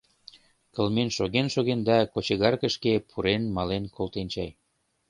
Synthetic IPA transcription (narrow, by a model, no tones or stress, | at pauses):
kəlmenʃoɣenʃoɣend̪ɑkot͡ɕəɣɑrkə̆ʃkepʰuɾenmɑlenkolt̪ent͡ɕɑj